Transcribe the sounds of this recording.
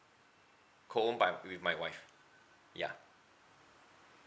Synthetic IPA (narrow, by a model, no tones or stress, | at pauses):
kʰɔə̃nbaɪwɪðmaɪwaɪf | ja̰